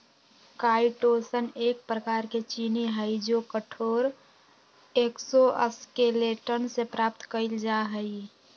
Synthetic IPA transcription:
kaiʈosənek̚pɾəkaɾket͡ʃiniɦəjd͡ʒokəʈʰoɾ | eksoʔə̰skeleʈənsepɾap̚t̪kəɪld͡ʒaɦəi

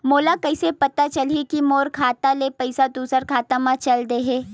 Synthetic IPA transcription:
moːlakɐɪsepɐt̪at͡ʃɐlikimoːɾkʰaːt̪alepɐɪsad̪uːsəɾkʰaːt̪amãt͡ʃɐld̪eɦeː

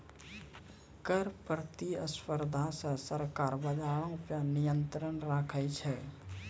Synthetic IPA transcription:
kəɾpɾt̪iəspəɾd̪ʱasəsəɾkaːɾbəd͡ʒaːɽõpənɪjə̃nt̪ɾənɾaːkʰət͡ʃʰɛ

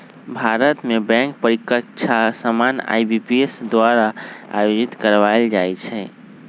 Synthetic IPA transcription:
bʱaɾət̪mebɛ̃ŋk̚pəɾikət͡ʃʰasəmana̰jbipiesd̪waɾaa̰jod͡ʒit̪kəɾʋaeld͡ʒajt͡ʃʰɛ

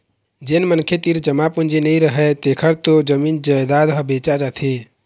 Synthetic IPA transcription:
d͡ʒenmənkʰet̪iɾd͡ʒəmapund͡ʒenəĩɾəɦɛt̪ekʰəɾt̪od͡ʒəmind͡ʒəjd̪ad̪ɦəbet͡ʃad͡ʒat̪ʰe

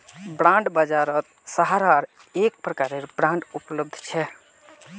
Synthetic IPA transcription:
bɾãɳɖbəd͡ʒaɾət̪̚ | səɦaɾaɾ | ek̚pɾəkaɾeɾbɾãɳɖupləb̚d̪ʱt͡ʃʰɛ

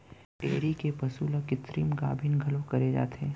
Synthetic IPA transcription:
ʈeːɾikepɐsuːlakɪt̪ɾiːmɡa̰ːbʱɪnɡʱɐlõkɐɾed͡ʒa̰ːt̪ẽː

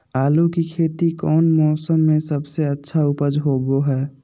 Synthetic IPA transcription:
aːlukikʰeːt̪ikɔːnmɔːsəmːẽsəbseətːʃʰaʊpəd͡ʒɦoːboɦɛː

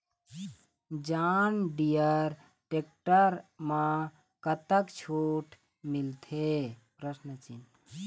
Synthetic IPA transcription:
d͡ʒanɖijəɾ | ʈek̚ʈəɾmã | kət̪əkt͡ʃʰoʈ | milt̪ʰepɾəsnət͡ʃin

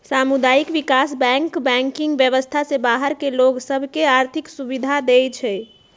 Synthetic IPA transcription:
samud̪ajikʋikasbɛ̃ŋkbɛ̃ŋkiŋɡʋjəʋəst̪ʰasebaɦəɾkeloɡsəbʱkeaɾt̪ʰiksubid̪ʱad̪et͡ʃʰɛ

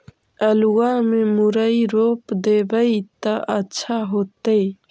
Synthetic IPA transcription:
əluwamemʊɾəjɾopd̪ebəjt̪əʔətːʃʰaɦot̪əj

